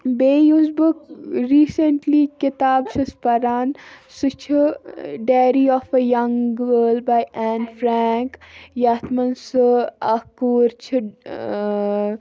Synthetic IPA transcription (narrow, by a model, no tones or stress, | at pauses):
beːjuzbɨkɾiːsəɳʈlikɪt̪aːbt͡ʃʰɨspɐɾaːnsɨt͡ʃʰɨɖeːɾiɔːfəjɐŋɡəːlbajʔɛːnfɾɛːŋkjaːt̪ʰmɐnsɨakuːɾt͡ʃʰɨ